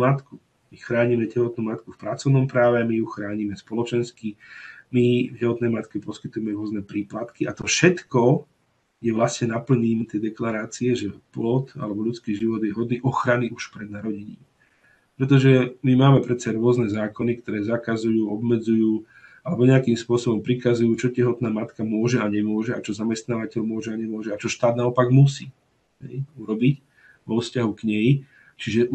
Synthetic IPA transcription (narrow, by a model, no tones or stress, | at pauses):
mat̪ku | mixɾaːɲimɛɟɛɦɔt̪nuːmat̪kufpɾat͡sɔʊnɔmpɾaːʋɛamijuxɾaːɲimɛspɔlɔt͡ʃɛnskimivɟɛɦɔt̪nɛjmat̪kɛpɔskit̪ujɛmɛɾʊɔznɛpɾiːplat̪kiat̪ɔfʃɛt̪kɔ | ɡjɛʋlasɲɛnapl̩ɲiːmɛt̪jɛd̪ɛklaɾaːt͡siɛʒɛplɔt̪a̰lɛbɔʎut͡skiːʒiʋɔd̪jɛɦɔd̪niːʔɔxɾaniuʃpɾɛd̪̚naɾɔɟɛɲḭːm | pɾɛt̪̬ɔʒɛmimaːmɛpɾɛt͡saɾʊɔznɛzaːkɔnikt̪ɔɾɛːzakazujuːɔbmɛd͡zujuː | alɛbɔɲɛakimspʊɔsɔbɔmpɾikazujuːt͡ʃɔcɛɦɔt̪naːmat̪kamʊɔʒɛaɲɛmʊɔʒɛat͡ʃɔzamɛst̪naːʋacɛʎmʊɔʒɛaɲɛmʊɔʒɛat͡ʃɔʃt̪aːd̪naɔpaɡmusiː | ɦɛ̰juɾɔbic | ʋɔfscaɦukɲɛj | t͡ʃiʒɛ